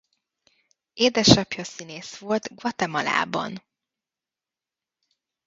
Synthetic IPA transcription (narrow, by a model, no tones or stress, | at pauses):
eːd̪ɛʃɒpjɒsineːsʋo̞lt̪ɡʋɒt̪ɛmɒla̰ːbɒ̰n